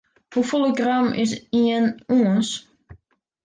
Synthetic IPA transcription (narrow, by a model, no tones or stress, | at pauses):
hufolˠəɡramɪ̰s̬iənuəns